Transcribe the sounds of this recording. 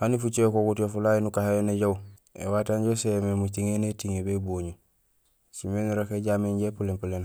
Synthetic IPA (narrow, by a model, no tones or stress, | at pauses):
hanifut͡ʃekokutiofulainukahaeneɟaw | ḛwataːɲɟosememutiŋenetiŋebeboːɲu | simenuɾakeɟaːmeɲɟepulempulen